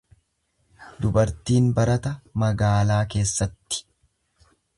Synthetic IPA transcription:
d̪ʊbɐɾt̪iːnbɐɾɐt̪ɐmɐɡaːlaːke̞ːsːɐt̪ːɪ̥

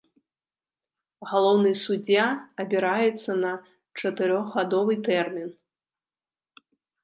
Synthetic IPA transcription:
ɣalˠɔwnɨjsud͡zʲːaɐbʲiɾajɛt̪sːɐnɐ | t͡ʂɐt̪ɨɾɔɣɣad̪ɔvɨt̪ɛrmʲin

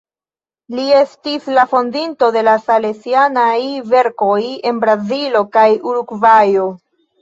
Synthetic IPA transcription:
lie̞stislafo̞ndinto̞de̞lasalesianajve̞ɾko̞je̞nbɾazilo̞kajuɾuɡvajo̞

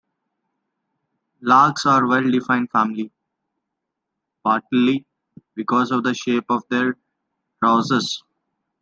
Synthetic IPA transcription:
laːksaːɾʋɛlɖɪfãɪ̃ɳɖfæ̃ːmɪli | paːʈli | bɪkɔːzɔʋd̪əʃeːpɔʋd̪eːɾ | ɾaʊzez

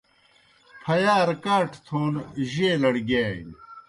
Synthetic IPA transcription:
pʰɐjaːɾkaːʈʰt̪ʰoːnʑeːlɐɽɡeː

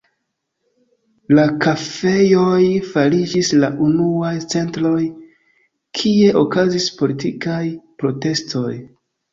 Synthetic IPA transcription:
lakafe̞jo̞jfalid͡ʒislaʔunuajt͡se̞ntɾo̞j | kʰie̞ʔokazispo̞litikajpɾo̞te̞sto̞̰j

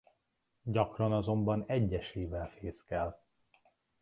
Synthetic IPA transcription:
ɟɒkrɒnɒzo̞mbɒnɛɟːɛʃeːvɛlfeːskɛl

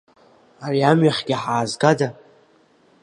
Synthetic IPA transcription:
ariamɥaχʲɡʲaħaːzɡada

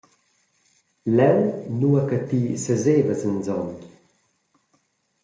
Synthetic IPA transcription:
lɛwnuakat̪iːsəzeːvəzənd͡zɔn

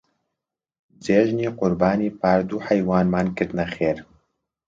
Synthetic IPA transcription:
d͡ʒeːʒniːqʊɾbaːniːpaːɾd̪uːħɛjwaːnmaːnkɨɾd̪nɛxeːɾ

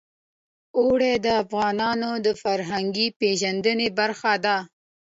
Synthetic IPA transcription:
oɽed̪əafɣɑnɑnod̪əfaɾɦaŋɡipeʒand̪ənebaɾxad̪a

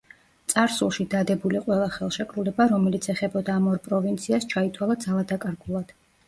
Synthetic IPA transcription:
t̪sʼaɾsulˠʃid̪ad̪ɛbuliqʼwɛlˠaχɛlˠʃɛkʰʼɾulɛbaɾɔmɛlit̪sʰɛχɛbɔd̪aːmɔɾpʼɾɔvint̪sʰiast͡ʃʰait̪ʰwalˠad̪zalˠad̪akʼaɾɡulˠad̪̥

